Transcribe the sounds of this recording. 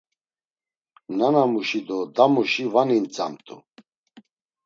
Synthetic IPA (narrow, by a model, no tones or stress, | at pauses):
nanamuʃid̪ɔd̪amuʃivanint͡sʼa̰mt̪ʼṵ